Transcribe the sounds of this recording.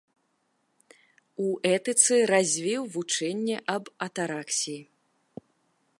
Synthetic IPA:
uʔɛt̪ɨt̪sɨɾazʲvʲiwvut͡ʂɛnʲːɛʔɐbɐt̪aɾaksʲiji

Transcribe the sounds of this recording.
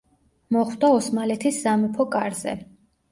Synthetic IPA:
mɔχwd̪aɔsmalɛt̪ʰiszamɛpʰɔkʼaɾz̥ɛ̰

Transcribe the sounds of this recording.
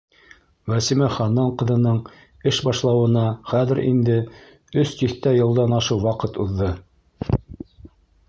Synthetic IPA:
wæsimæχɑnɑɴqɤ̆ðɤ̆nɤɴ | ɘʃbɑʃlˠɑwɤ̆nɑχæðɘ̆ɾḭnd̪ɘ | ɵst̪iθt̪æjɤ̆lˠd̪ɑnɑʃɤwwɑqɤt̪uðːɤ

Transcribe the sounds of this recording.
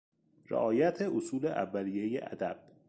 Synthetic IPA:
ɾḛʔɒːjæt̪ʰeʔosuːleʔæ̰vːæliːjejḛʔæ̰d̪æb̥̚

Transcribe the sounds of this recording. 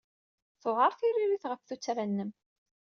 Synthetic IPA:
θʊʁəɾˤθiɾiɾiθʁəfθut͡sːɾænːəm

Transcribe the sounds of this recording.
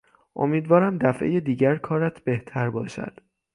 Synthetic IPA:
ʔo̞̰miːd̪vɒːɾæmd̪æfʔejed̪iːɟæɾkʰɒːɾæt̪ʰb̥e̞ht̪ʰæɾbɒːʃæ̰d̪̥

